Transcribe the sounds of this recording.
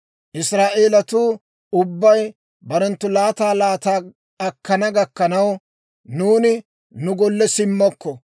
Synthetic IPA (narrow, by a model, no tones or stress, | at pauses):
ʔɪsɾaːʔeːlɐt̪uː | ʊbːɐj | bɐɾɛnt̪ːʊlaːt̪aːlaːt̪aː | ɐkːɐnɐɡɐkːɐnɐw | nuːnɪ | nʊɡɔlːɛsɪmːɔkːɔ